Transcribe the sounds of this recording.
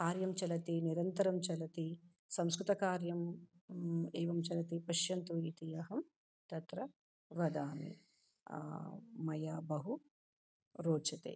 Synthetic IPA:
kaːɾjɐmt͡ʃɐlɐt̪iniɾɐnt̪ɐɾɐmt͡ʃɐlɐt̪i | sɐmskɾut̪ɐkaːɾjɐm | ɛːʋɐmt͡ʃɐlɐt̪ipɐʃjɐnt̪uit̪ijɐɦɐm | t̪ɐt̪ɾɐ | ʋɐd̪aːmḭ | mɐjaːbɐɦu | ɾoːt͡ʃɐt̪ḛː

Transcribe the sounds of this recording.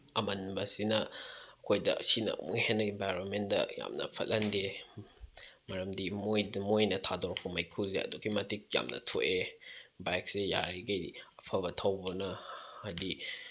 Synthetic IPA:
ɐmɐnbɐsinɐɐkʰojdɐ̰sinɐ̰mṵhenːɐembajɾonmendɐ̰ja̰mnɐ̰pʰɐtlːʔɐnde | mɐɾɐmdimojmojnɐtʰadoɾkpɐmɐjkʰuzeɐ̰dukimɐtik̚ja̰mnɐ̰tʰoʔebajk̚seja̰ɾiɡɐjpʰɐβɐtʰɐwbɐnɐhadi

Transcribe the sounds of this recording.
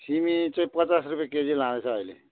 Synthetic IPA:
simit͡saĩpət͡sasrupjaked͡zilãnet͡sʰʌ̃ːjlḛ

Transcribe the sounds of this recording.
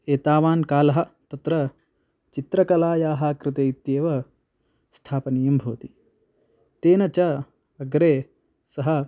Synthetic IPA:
eːt̪aːʋaːnkaːlɐɦɐ̆t̪ɐt̪ɾɐ | t͡ʃit̪ɾɐkɐlaːjaːɦaːkɾɪt̪eit̪jeːʋɐ | sʈ̪ʰaːpɐnijɐmbʱo̰ːt̪i | t̪eːnɐt͡ʃɐ | ɐɡɾeː | sɐɦɐ

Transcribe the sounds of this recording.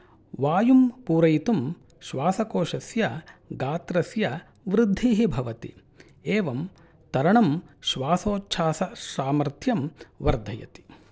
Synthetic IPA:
ʋaːjumpuːɾɐjit̪um | ʃʋaːsɐkoːʃɐsjɐɡaːt̪ɾɐsjɐ | ʋɾɪd̪ʱːiɦibʱɐʋɐt̪ḭ | eːʋɐm | t̪ɐɾɐɳɐmʃʋaːsoːtːʃʰaːsɐʃaːmɐɾt̪ʰjɐmʋɐɾd̪ʱɐjɐ̰t̪i̥

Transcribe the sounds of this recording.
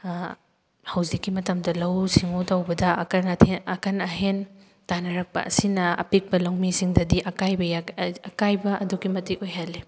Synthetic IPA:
hɐwzikːimɐtɐmdɐlɐwsiŋotawbɐdɐnʰɐkɐnɐɦen | tanɐɾɐk̚pɐ̰ʔɐ̰sinɐɐ̰pik̚pɐlɐwmisiŋdɐdiʔɐkajbɐjaɐkajbɐʔɐduɡimɐtikojɦɐlːi

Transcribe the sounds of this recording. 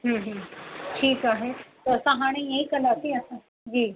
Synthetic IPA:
ɦd͡ʑiːʈʰiːkaːɦet̪oɐsãɦaːɽ̃ẽjaĩkɐlaːt̪ĩɐsã | d͡ʑiː

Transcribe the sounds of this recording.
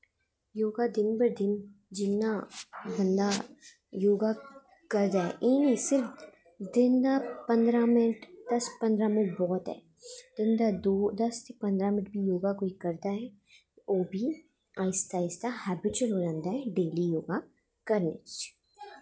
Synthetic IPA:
joːɡad̪ɪnbɐɾd̪ɪn | d͡ʒɪnːabɐ̃nd̪a | joːɡa | kɐɾd̪aɦɛ̰ʔeːnĩsɪɾf | d̪ɪnd̪apɐ̃nd̪ɾamɪnɪʈd̪̥ɐspɐ̃nd̪ɾamɪʈ̚bɔːt̪ɦɛ̰ː | d̪̥ɪnd̪ad̪oːd̪ɐst̪epɐ̃nd̪ɾamɪʈ̚bʱijoːɡakoːikɐɾt̪aɦɛ | oːbʱi | aːɪst̪aːɪst̪ahɛːbɪt͡ʃəɾolãːnd̪aɦɛɖeːlijoːɡa | kɐɾnḛt͡ʃ

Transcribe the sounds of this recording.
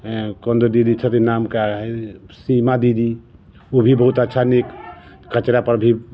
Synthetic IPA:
kənd̪əɾd̪id̪it͡ʃʰət̪inamkaɦsimad̪id̪i | obʱibəɦut̪ətːʃʰanek | kət͡ʃɾapəɾbʱi

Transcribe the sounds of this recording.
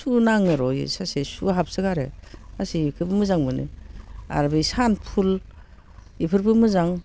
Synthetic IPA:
sunaŋɯɾɔjɯ̰sasesuɦap̚sɯɡaɾḛasikʰɯbɯmɯzaŋmɯnɯ̰a̰ɾbɯjsanpʰul | ipʰɯɾbɯmɯzaŋ

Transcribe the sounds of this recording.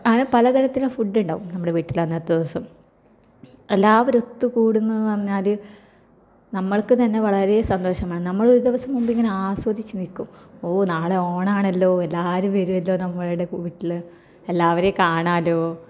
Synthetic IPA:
kaːnupɐlɐt̪ɐɾɐt̪ːiluɽefuɖːuɳɖa̰ːʋumnɐmːuɽe̞ʋiːʈːilanːɐt̪ːɐd̪iʋɐsɐm | e̞lːaːʋoɾo̞t̪ːɨkuːɽunːɐðɨpɐrɐɲːaːl | nɐmːɐɭkɨt̪ɐnːe̞ʋɐɭɐɾesɐnd̪o̞ːɕɐmaːɳɨnɐmːɐɭoɾud̪iʋɐsɐmːumbiŋːɐneaːswɐd̪it͡ɕːɨnikːumoːnaːɭeo̞ːɳaːɳɐlːo̞ːelːaːɾumʋɐɾuɐlːo̞ːnɐmːɐɭiɽe̞kuːiʈːilɨ | elːaːʋɐɾekaːɳaːlo̞ː

